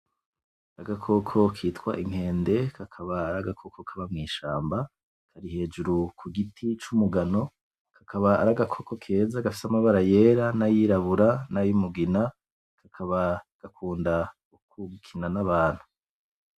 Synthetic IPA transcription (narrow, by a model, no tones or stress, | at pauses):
aɡakʰo̞kʰo̞kʰiːtkwa̰ʔiŋ̥he̞ːnde̞kʰakʰaβaːɾaɡakʰo̞kʰo̞kʰaβamŋiːʃaːmba | kʰaɾihe̞ːd͡ʒuɾukʰuɡitʰit͡ʃumuɡano̞ | kʰḁkʰaβa̰ːɾaɡakʰo̞kʰo̞kʰe̞ːzaɡafi̥samaβaɾaje̞ːɾanajiɾaβuɾanajumuɡina | kʰakʰaβaɡ̥akʰuːnda | ukuɡukʰinanaβaːn̥hu̥